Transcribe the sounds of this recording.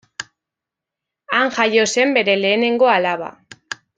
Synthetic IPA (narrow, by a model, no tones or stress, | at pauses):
aŋʝajo̞se̞mbe̞ɾe̞le̞ːne̞ŋɡo̞alaβa̰